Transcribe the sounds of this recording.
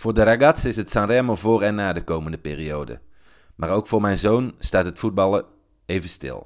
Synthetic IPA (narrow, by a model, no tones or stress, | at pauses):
v̥ʊːɹdəraɡɑtsɪsɦətsɑrɛmovʊːɹɛnːaːdəkowməndəpɪ̰ːrijowdə̰ | maːɹowkfʊːɹmɛjnzownstaːtɦətfud̚bɑlˠə | ejvənstɪ̰lˠ